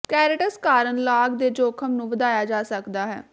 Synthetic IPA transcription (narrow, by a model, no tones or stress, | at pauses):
kɛːɾɪʈəskaːɾənlaːɡd̪eːd͡ʒoːkʰəmnũːʋəd̪aːjaːd͡ʒaːsəkd̪aːɦɛ̰ː